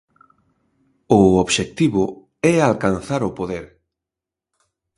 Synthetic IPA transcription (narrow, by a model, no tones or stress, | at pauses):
ʊoβʃek̚t̪iβʊ | ɛalkanθaɾʊpoðeɾ